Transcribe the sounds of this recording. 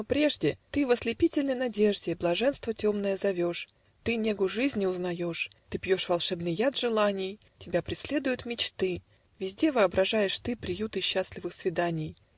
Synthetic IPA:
nopɾʲe̞ʐdʲɪt̪ɨvəsʲlʲɪpʲitʲɪlʲnəjnɐdʲe̞ʐdʲɪblˠɐʐɛnst̪vətʲo̞mnəjəzɐvʲo̞ʂ | t̪ɨnʲeɡʊʐɨzʲnʲɪʊznɐjo̞ʂt̪ɨpjo̞ʂvɐlˠʂɛbnɨjːad̪ʐɨlˠanʲɪj | tʲɪbʲapɾʲɪsʲlʲe̞d̪ʊjʊt̪mʲɪt͡ɕt̪ɨ | vʲɪzʲdʲe̞vɨɐbɾɐʐajɪʂt̪ɨpɾʲɪjut̪ɨɕːasʲlʲɪvɨxsvʲɪd̪anʲɪj

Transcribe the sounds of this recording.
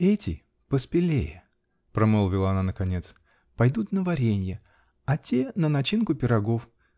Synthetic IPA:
ɛtʲɪ | pəspʲɪlʲḛjə | pɾɐmolˠvʲɪlˠəɐnanəkɐnʲe̞t̪s | pɐjd̪ut̪nəvɐɾʲenʲjə | ɐtʲenənɐt͡ɕinkʊpʲɪɾɐɡo̞f

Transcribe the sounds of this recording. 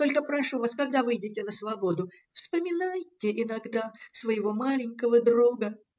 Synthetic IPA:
t̪o̞lʲkəpɾɐʂuvaskɐɡ̚d̪avɨjdʲɪtʲɪnəsvɐbo̞d̪ʊ | fspəmʲɪnajtʲɪʔɪnɐɡd̪asvəjɪvo̞malʲɪnʲkəvəd̪ɾuɡə

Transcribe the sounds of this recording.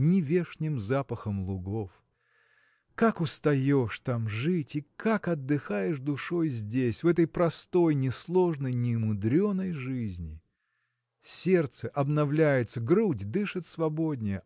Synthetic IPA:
nʲɪvʲeʂnʲɪmzapəxəmlˠʊɡof | kakʊst̪ɐjoʂt̪amʐɨtʲikakɐd̪ːɨxajɪʂd̪ʊʂo̞jzʲdʲesʲvɛt̪əjpɾɐst̪o̞jnʲɪslˠo̞ʐnəjnʲɪmʊd̪ɾʲo̞nːəjʐɨzʲnʲɪ | sʲe̞rt̪səʔɐbnɐvlʲæjɪt̪səɡɾudʲd̪ɨʂɨt̪svɐbo̞dʲnʲɪjə

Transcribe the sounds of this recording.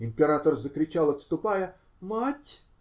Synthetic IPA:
ɪmʲpʲɪɾat̪ərzəkɾʲɪt͡ɕalˠɐt̪st̪ʊpajə | matʲ

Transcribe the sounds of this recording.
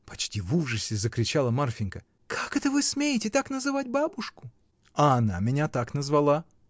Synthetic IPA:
pɐ̥t͡ɕtʲivuʐəsʲɪzəkɾʲɪt͡ɕalˠəmarfʲɪnkə | kʰakɛt̪əvɨsmʲejɪtʲɪt̪aknəzɨvat̚ʲbabʊʂkʊ̥ | ɐːna̰mʲɪnʲat̪aknəzvɐlˠa

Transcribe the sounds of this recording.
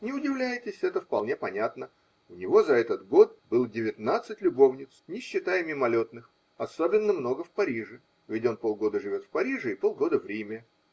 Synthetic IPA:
nʲɪʊdʲɪvlʲæjɪtʲɪsʲɛt̪əfpɐlˠnʲe̞pɐnʲat̪nə | ʊnʲɪvo̞zɐɛt̪ət̪ɡo̞t̪̚bɨlˠdʲɪvʲɪt̪nat̪sɨtʲlʲʊbo̞vnʲɪt̪snʲɪɕːɪt̪ajɪmʲɪmɐlʲo̞t̪nɨx | ɐso̞bʲɪnːəmno̞ɡəfpɐɾʲiʐɨ | vʲɪtʲo̞npo̞lˠɡo̞d̪əʐɨvʲo̞t̪fpɐɾʲiʐɨɪpo̞lˠɡo̞d̪əvɾʲimʲə

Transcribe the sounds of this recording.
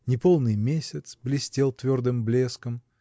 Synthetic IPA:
nʲɪpo̞lˠnɨjmʲesʲət̪sblʲɪsʲtʲelˠt̪vʲo̞rd̪ɨmblʲeskəm

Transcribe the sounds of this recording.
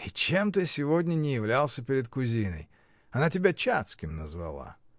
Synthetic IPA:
it͡ɕemt̪̬ɨsʲɪvodʲnʲənʲɪjɪvlʲalˠsʲəpʲɪɾʲɪt̪kʊzʲinə̰j | ɐnatʲɪbʲat͡ɕat̪skʲɪmnəzvɐ̰lˠa̰

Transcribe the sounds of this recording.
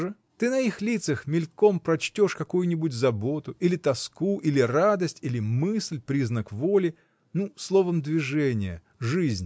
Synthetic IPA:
ʐɨ | t̪ɨnɐixlʲit̪səxmʲɪlʲko̞mpɾɐt͡ɕtʲo̞ʂkɐkujʊnʲɪbʊtʲzɐbo̞t̪ʊʔilʲɪt̪ɐskuʔilʲɪrad̪əsʲtʲilʲɪmɨsʲlʲpɾʲiznəkvo̞lʲɪ | nuslˠo̞vəmd̪vʲɪʐɛnʲɪjə̰ | ʐɨzʲnʲ

